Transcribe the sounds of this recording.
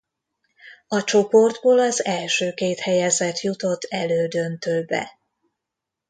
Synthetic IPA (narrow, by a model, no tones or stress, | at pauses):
ɒt͡ʃo̞po̞rd̪boːlɒzɛlʃøːkeːt̪hɛjɛzɛt̪jut̪o̞t̪ʰːɛløːd̪ønt̪øːlbɛ̰